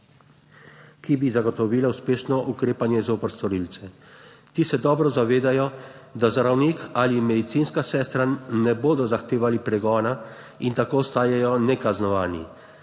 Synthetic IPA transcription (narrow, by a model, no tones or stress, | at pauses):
kibizaɡɔt̪ɔʋiːlawspeːʃnɔʔukɾeːpanjɛzoːpəɾst̪ɔɾiːlt̪sɛ | t̪isɛd̪ɔːbɾɔzaʋeːd̪ajɔd̪azaɾawniːkalimɛd̪it̪siːnskasɛːst̪ɾanɛboːd̪ɔzaxt̪eːʋalipɾɛɡɔːna | int̪akoːɔst̪aːjajɔnɛkaznɔʋaːnḭ